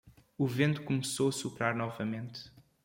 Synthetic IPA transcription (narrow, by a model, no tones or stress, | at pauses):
uvẽnt̪u̥kumsoɐsupɾaɾnɔvɐmẽnt̪